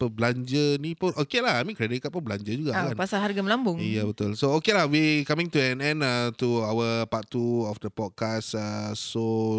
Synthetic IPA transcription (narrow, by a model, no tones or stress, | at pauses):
pəblaɲd͡ʒənĩpʊnokelaɦamĩkɾɛdɪkaʔpəbəlaɲd͡ʒəd͡ʒuɡakanpasaɦarɡaməlambʊŋijabət̪ʊlsookelahwikamĩŋt̪uɛnɛ̃nat̪uawəpatːuɔfdəpɔd̚kasaso